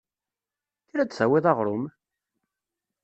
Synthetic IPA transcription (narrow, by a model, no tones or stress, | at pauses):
θiɾæd̪sæwɪðˤɑʁɾˤʊm